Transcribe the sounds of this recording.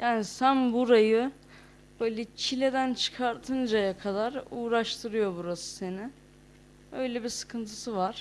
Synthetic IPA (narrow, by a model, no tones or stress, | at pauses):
jʔaːnisænbuɾajɯ | bøjlʲɛt͡ʃʰilʲe̞d̪ænt͡ʃʰɯ̥kʰaɾt̪ʰɯnd͡ʒajakʰad̪aɾuːɾaʃt̪ʰɯɾɯjo̞buɾasɯ̥se̞nɪ | ø̞jlʲebisɯ̥kʰɯnt̪ʰɯ̥sɯvaɾ̥